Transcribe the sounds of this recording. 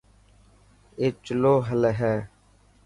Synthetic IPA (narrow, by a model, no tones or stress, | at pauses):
eːt͡ʃəloːɦəlɦɛː